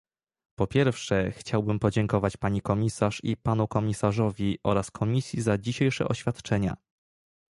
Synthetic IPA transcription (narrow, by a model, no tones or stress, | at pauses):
pɔpʲjɛɾfʂɛxt͡ɕawbɘmpɔd͡ʑɛŋkɔvat͡ɕpaɲikɔmʲisaʂḭpanukɔmʲisaʐɔvʲiʔɔ̰ɾaskʰɔmʲisʲjizad͡ʑiɕejʂɛ̰ʔɔɕfʲat̪t͡ʂɛɲa̰